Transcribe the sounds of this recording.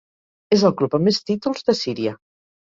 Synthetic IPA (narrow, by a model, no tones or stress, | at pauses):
ezəlˠklupəmest̪it̪ulˠzðəsiɾiə